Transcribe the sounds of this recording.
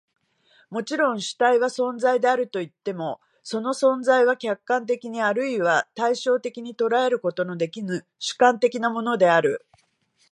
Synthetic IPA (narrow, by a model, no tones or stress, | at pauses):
mo̞t͡ɕiɾõ̞ɰ̃ɕɨ̥t̪aiβasõ̞nzaid̪e̞aɾɯ̟t̪o̞it̪ːe̞mo̞ | so̞no̞sõ̞nzaiβakʲakːãnt̪e̞kʲiɲ̟iaɾɯ̟iβat̪aiɕo̞ːt̪e̞kʲiɲ̟it̪o̞ɾae̞ɾɯ̟ko̞t̪o̞no̞d̪e̞kʲinɨ | ɕɨ̥kãnt̪e̞kʲinamo̞no̞d̪e̞aɾɯ̟